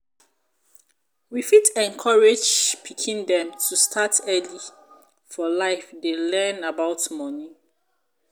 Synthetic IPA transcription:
wifitɛ̃nkʰɔɹed͡ʒpʰikʰĩndɛ̃mtʰustʰatʰɛli | fɔlaɪfdelɛ̃nabaʊtmɔni

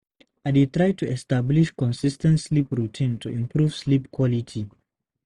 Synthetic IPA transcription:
aditɹaɪtʰuɛstabliʃkɔ̃nsistɛ̃ntslipɹutʰĩntʰuĩmpɹuvslipkʰwɔlitʰi

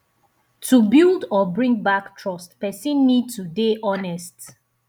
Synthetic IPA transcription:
tʰubildɔbɹĩŋbaktʰɹɔstpɛsĩnːid̚tudeʔɔnɛst

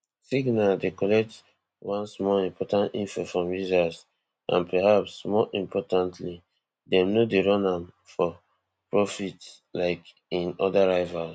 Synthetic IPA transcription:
siɡnadekɔlɛk̚t | wãnsmɔlĩmpʰɔtãntḭ̃nfɔfɹɔ̃mɹizas | ʔã̰npʰɛhapsmɔʔĩmpʰɔtãntʰli | dɛ̃mnodeɹɔ̃nãm | fɔ | pɹɔfits | laɪk | ĩnɔdaɹaɪvals

